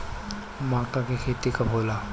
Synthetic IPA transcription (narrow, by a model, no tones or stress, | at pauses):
makakekʰet̪ikapola